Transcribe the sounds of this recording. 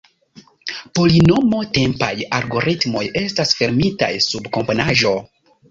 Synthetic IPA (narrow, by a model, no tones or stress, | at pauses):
po̞lino̞mo̞te̞mpa̰jaɾɡo̞ɾitmo̞je̞stasfeɾmita̰jsubko̞mponaʒo̞